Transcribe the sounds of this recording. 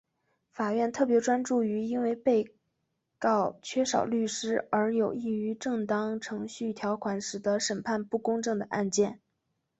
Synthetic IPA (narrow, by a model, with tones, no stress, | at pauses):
fa˨˩ɥɛ˥˧nt̪ʰɤ˥˩pjɛ˧˥ʈ͡ʂwa˥nʈ͡ʂu˥˩y˧˥i˥nwe˥˧ɪpe˥˧ɪ | kɑ˥˩ʊt͡ɕʰɥɛ˥ʂɑ̰˨˩ʊly˥˩ʂɻ̩˥ə˞˧˥jo˨˩ʊi˥˩y˧˥ʈ͡ʂɤ˥˩ŋt̪ɑ˥ŋʈ͡ʂʰɤ˧˥ŋɕy˥˩t̪ʰjɑ˧˥ʊkʰwa˧˥nʂɻ̩˨˩d̪ə˧˦˥ʂə˨˩npʰa˥˧npu˥˩kʊ˥ŋʈ͡ʂɤ˥˩ŋd̪ə˩ʔa˥˧nt͡ɕjɛ˥˩n